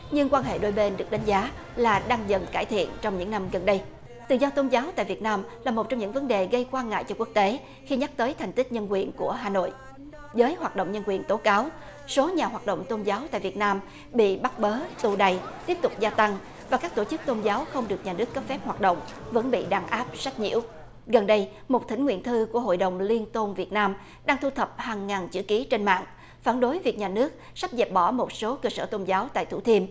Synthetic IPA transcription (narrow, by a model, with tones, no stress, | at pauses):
ɲɨ˧ŋkwaː˧nɦḛ˧˨ɗo˧jɓe˧nɗɨ˨˩ək̚ɗa˨˦ŋ̟zaː˨˦ | laː˨˩ɗa˧ŋzə˨˩nkaː˧˩jt̪ʰḭ˧˨ənt͡ɕɔ˧wŋ͡mɲɨ̰˧˥ŋna˧mɣə˨˩nɗə˧j | t̪ɨ̰˧˨zɔ˧t̪o˧nzaː˨˦wt̪a̰ː˧˨jvi˨˩ət̚naː˧mlaː˨˩mo˨˩t̚t͡ɕɔ˧wŋ͡mɲɨ̰˧˥ŋvə˨˦nɗe˨˩ɣə˧jkwaː˧nŋa̰ː˧˨jt͡ɕɔ˧ku˦˥ək̚t̪e˨˦ | xi˧ɲa˦˥k̚t̪əː˨˦jt̪ʰɛ˨˩jŋ̟t̪i˦˥k̚ɲə˧nkwi˨˩ənku˧˩əɦaː˨˩no̰˧˨jʔ | zəː˨˦jhwaː˨˩t̚ɗo̰˧˨wŋ͡mɲə˧nkwi˨˩ənt̪o˨˦kaː˨˦w | so˨˦ɲaː˨˩ɦwaː˨˩t̚ɗo̰˧˨wŋ͡mt̪o˧nzaː˨˦wt̪a̰ː˧˨jvi˨˩ət̚naː˧m | ɓḭ˧˨ɓa˦˥k̚ɓəː˨˦t̪u˧˩ɗa˨˩jt̪i˦˥əp̚t̪ʊ˨˩k͡p̚zaː˧t̪a˧ŋ | vaː˨˩kaː˦˥k̚t̪o˧˩t͡ɕɨ˦˥k̚t̪o˧nzaː˨˦wxə˧wŋ͡mɗɨ˨˩ək̚ɲaː˨˩nɨ˦˥ək̚ːə˦˥p̚fɛ˦˥p̚hwaː˨˩t̚ɗo̰˧˨wŋ͡mvə̰˧˥nɓḭ˧˨ɗaː˧˩ŋʔaː˦˥p̚sa˦˥k̚ɲḭ˧˥əw | ɣə˨˩nɗə˧j | mo˨˩t̚t̪ï˧˩ŋ̟ŋwḭ˧˨nt̪ʰɨ˧ku˧˩əɦo̰˧˨jɗə˨˩wŋ͡mli˧ənt̪o˧nvi˨˩ət̚naː˧m | ɗaː˧ŋt̪ʰu˧t̪ʰə˨˩p̚haː˨˩ŋːaː˨˩nt͡ɕɨ̰˧˩ki˨˦t͡ɕe˧nma̰ː˧˨ŋ | faː˧˩nɗo˨˦jvi˨˩ək̚ɲaː˨˩nɨ˦˥ək̚sa˦˥p̚zɛ˨˩p̚ɓɔ˧˩mo˨˩t̚so˨˦kəː˧səː˧˩t̪o˧nzaː˨˦wt̪a̰ː˧˨jt̪ʰu˧˩t̪ʰi˧ən